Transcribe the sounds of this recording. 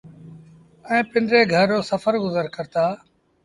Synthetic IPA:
ɛ̃ːpɪnɖɾeːɡʱəɾːoːsəfəɾɡʊzəɾkəɾt̪aː

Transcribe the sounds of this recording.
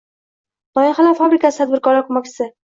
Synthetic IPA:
d̪̥ɒjɪnχalafabɾɪkasɪt̪ʰad̪bɪɾkɒɾlakʰʊmakʲsɪ

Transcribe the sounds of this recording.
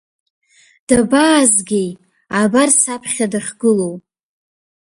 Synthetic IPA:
d̥abaːzɡʲej | abarsapʰχʲadaχʲɡɨlow

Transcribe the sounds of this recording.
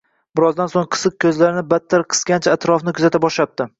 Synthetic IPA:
bɪɾɒzd̪ansoŋqʰɨ̥sɨq̚kʲʰɵzlaɾɪnɪbat̪ʰːaɾqʰɨ̥skʲant͡ʃʰaat̪ɾɒfnɪkʲʰʊzat̪abɒʃlap̚t̪ɪ

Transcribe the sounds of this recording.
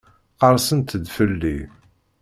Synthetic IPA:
qəɾˤsənt̪əd̪fəlːi

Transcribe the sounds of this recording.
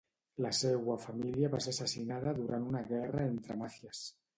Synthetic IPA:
laseɣwafamiljaβaseɾsasinaðaðuɾʔanunaɣɛraent̪ɾamaθjas

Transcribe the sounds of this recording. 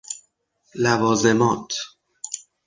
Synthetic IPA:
lævɒːze̞mɒːt̪ʰ

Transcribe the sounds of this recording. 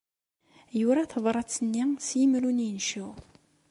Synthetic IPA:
jʊɾaθəðˤɾˤɑt͡sːənːisjəmɾunjənʃu

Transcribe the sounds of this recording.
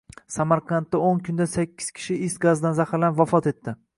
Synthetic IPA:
samaɾqʰɑnt̪ːaoŋkʰʊnd̪asakʲʰːɪ̥z̥kʲʰɪ̥ʃɪɪst̪ɡazd̪anzahɪɾlanvafɒt̪e̞t̪ʰːɪ

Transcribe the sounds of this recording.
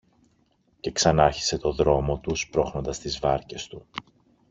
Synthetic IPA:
ce̞ksɐnɐçi̥se̞t̪o̞ðɾo̞mo̞t̪uspɾo̞xno̞nd̪ɐst̪izvɐɾce̞st̪u

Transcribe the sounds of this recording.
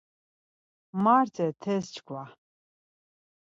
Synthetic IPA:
maɾt̪ʰɛt̪ʰɛst͡ʃkʰwa

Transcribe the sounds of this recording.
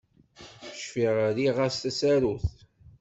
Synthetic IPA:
əʃfiʁɾiʁast̪æsæɾuθ

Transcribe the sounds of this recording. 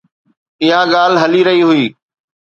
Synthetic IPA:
ɪɦãɠaːlɦɐliɾɐɦiɦʊiː

